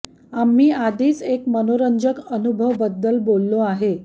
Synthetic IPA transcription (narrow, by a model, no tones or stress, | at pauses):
amːiːad̪ʱiːt͡sekmənoɾənd͡zəkənubʱəʋbəd̪ːəlbolːoaɦe